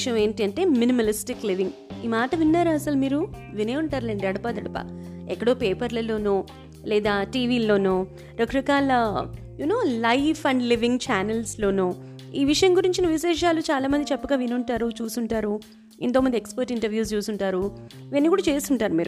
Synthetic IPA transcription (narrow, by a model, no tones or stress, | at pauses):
ʂɐjɐme̞ːɳʈiɐɳʈe̞ːminimɐlisʈikliʋiŋɡ | iːmaːʈɐʋinːaːɾuɐsɐlumiːɾuʋineːuɳʈaːɾleːɳʈiɐɽɐpaːd̪ɐɽɐpa̰ːɛkːɐɽo̞ːpeːpɐɾlɐlo̞ːnuː | lɛːd̪aːʈiːʋiːlo̞ːnoː | ɾɐkɾɐkaːlɐ | junoːlɐjfʰɐɳɖliʋiŋɡt͡ʃaːnelslo̞ːnuː | iːʋiʂɐjɐŋɡuɾiɲt͡ʃinɐʋiʃɛːʂ̬aːlut͡ʃaːlaːmɐnd̪it͡ʃɛpːɐɡaːʋinuɳʈaːɾut͡ʃuːsuɳʈaːɾu | ent̪oːmɐnd̪iekspɐɾʈiɳʈɐɾʋjuːs̬t͡ʃuːsuɳʈaːɾuiʋɐnːikuːɽaːt͡ʃe̞ːst̪uɳʈaːɾumiːɾu